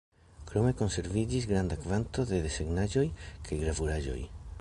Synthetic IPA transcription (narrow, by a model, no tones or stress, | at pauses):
kɾo̞me̞ko̞nse̞ɾvid͡ʒisɡɾand̪akvant̪o̞ðe̞ðeseɡnaʒo̞jkʰajɡɾavuɾaʒo̞̰j